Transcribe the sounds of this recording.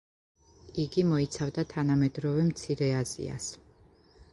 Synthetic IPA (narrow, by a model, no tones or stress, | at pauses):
iɡimɔit̪sʰavd̪at̪ʰanamɛd̪ɾɔvɛmt̪sʰiɾɛazḭa̰s